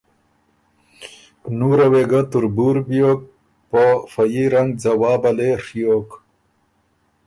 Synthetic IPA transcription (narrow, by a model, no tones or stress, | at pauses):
nuːɾɐweɡat̪uɾbuɾbijok̚ | pofɐjiɾɐŋɡ̚d͡zɐwaːbɐleʂijoːk